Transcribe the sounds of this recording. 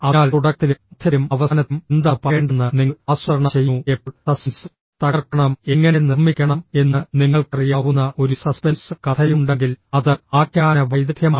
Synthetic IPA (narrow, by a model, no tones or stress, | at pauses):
ɐaːluɽɐk̚t̪ild̪̥ʱjɐlumɐʋɐsɐnɐt̪ːumend̪apɐeːɳɖɐnːɨniŋːɐaːswɐɾɐɳɐt͡ɕejːuepːt̪ɐsns | t̪ɐɣɐrkːɐɳɐme̞ŋːɐnenːirmːikʲːɐɳɐme̞nːɨniŋːɐɭkɐrijaːʋunːɐʔo̞ɾusɐspensɨkɐt̪ʰɐjuɳɖe̞ŋɡilɐðɨaːkjaːnɐʋɐjd̪ɐt̪jɐmaː